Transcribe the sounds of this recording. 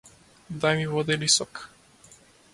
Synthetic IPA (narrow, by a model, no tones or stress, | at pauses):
d̪ajmivɔd̪ɛlisɔk